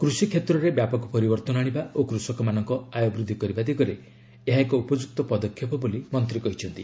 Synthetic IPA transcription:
kɾusikʰːet̪ɾɔɾebjapɔkɔpɔɾibɔɾt̪ɔnaɽ̃ibaokɾusɔkɔmanɔŋkɔajɔbɾud̪ʱikɔɾibad̪ikɔɾe | eɦaekɔupɔd͡ʒuk̚t̪ɔpɔd̪ɔkʰjɔpɔbolimɔnt̪ɾikɔɦit͡ʃʰɔnt̪i

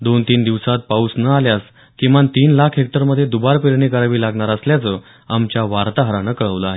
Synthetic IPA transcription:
d̪ont̪iːnd̪iʋsat̪̚pausnəaljas | kĩʋant̪iːnlakʰɦek̚ʈəɾməd̪ʱjed̪ubaɾpiɾɳikəɾaʋiːlaɡɳaɾəsljat͡sə | amt͡ɕjaʋaɾt̪aɦəɾanəkəɭəʋləaɦe

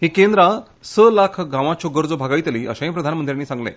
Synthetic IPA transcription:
ɦikẽnd̪ɾa | səlakʰɡãʋat͡ɕʰoɡəɾd͡zobʱaɡait̪liːʔə̰ɕãj̃pɾəd̪ʱanmənd̪ɾʲjanːiːsãŋɡlḛ̃

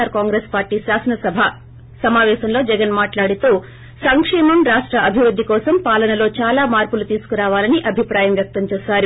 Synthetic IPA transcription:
aːɾkaːŋɡɾeːspaːɾʈiːʃaːsɐnɐsɐbʱa | sɐmaːʋɛːʃɐmlo̞ːd͡ʒɛɡɐnmaːʈlaːɽit̪uː | sɐŋkʂɛːmɐmɾaːʂʈɾɐʔɐbʱiʋɾud̪ʱːikɔːsɐmpaːlɐnɐlo̞ːt͡ʃaːlaːmaːɾpulut̪iːsu̥kuɾaːʋaːlɐniʔɐbʱipɾaːjɐmʋjɐk̚t̪ɐmt͡ʃeːsaːɾu

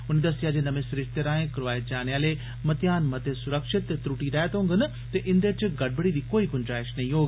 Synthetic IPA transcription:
ʊnd̪ɐst̪ijad͡ʑeːnɐmesɾɪʃt̪eɾaːɦẽkɾoʋaːed͡ʑaːnjaːle | mɐt̪ijaːnmɐt̪esʊɾəkʃɪt̪ːɾuːʈiɾaːet̪õːŋɡənɐ | t̪ɐʔɪ̃nd̪əɾt͡ɕɡɐɽ̚bəɽid̪iːkoːikʊnd͡ʒɾaːɪʃnɐiɦoː

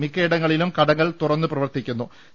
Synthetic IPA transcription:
mikːeːɽɐŋːɐɭilumkɐɽɐŋːɐɭt̪urɐnːɨprɐʋɐrt̪ikʲːunːu

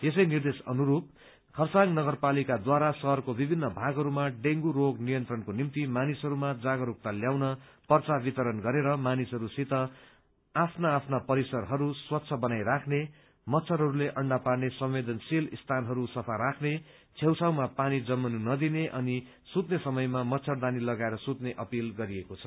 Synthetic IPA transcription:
es̬ʌjnird̪esʌ̰nuɾup̚ | kʰʌrsaŋnʌɡʌrpalikad̪waɾasʌɦʌrkobibʱinːʌbʱaɡɦʌɾumaɖeŋɡuɾoɡnijʌnt̪rʌnkonimt̪imanisɦʌɾumad͡zaɡʌɾuk̚t̪aljawnʌpʌrt͡sabit̪ʌɾʌnɡʌɾeɾʌmanisɦʌɾusit̪ʌ | apʰnaːpʰnapʌɾisʌrɦʌɾuswʌt̪ːsʰʌbʌnajɾakʰne | mʌtːsʰʌɾɦʌɾuleʔʌɳɖaparnesʌmwed̪ʌnsilist̪ʰanɦʌɾusʌpʰaɾakʰne | t͡sʰewt͡sʰawmapanid͡zʌmːʌnunʌd̪ineʔʌni | sut̪nesʌmʌjmamʌtːsʰʌrd̪anilʌɡaeɾʌsut̪neʔʌpilɡʌɾiekot͡sʰʌ̥

